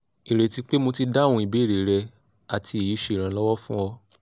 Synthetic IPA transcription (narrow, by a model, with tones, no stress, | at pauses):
i˨ɾe˨ti˨˧˦k͡pe˦mo˧ti˧da˦˨wũ˧˦i˨be˨˦˨ɾe˨˦ɾɛ˧ | a˨tʰi˧e˨ji˨˦ʃe˦˨ɾ̃ã˨˦lɔ˦wɔ˦fũ˦ɔ˧